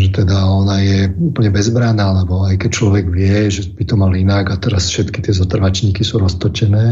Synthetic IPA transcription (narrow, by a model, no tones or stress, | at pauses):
ʒɛt̪ɛd̪aɔnajɛupl̩ɲɛbɛzbɾanaːlɛbɔajkɛc̚t͡ʃlɔʋɛɡʋɪɛʒɛb̥it̪ɔmalinaɡat̪ɛɾasfʃɛt̪ki̥t̪ɪɛzɔt̪r̩ʋat͡ʃɲiːkisuːɾɔst̪ɔt͡ʃɛnɛː